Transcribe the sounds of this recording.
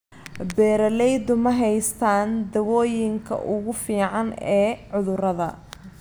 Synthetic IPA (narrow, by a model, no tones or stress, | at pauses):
bɛːɾɐlɛjd̪ʊmɐɦɛjst̪ʰaːnd̪ɐwɔːjɪŋkʰɐ̰ʔʊɣʊfiːʕɑnɛːʕʊðʊrɐðɐ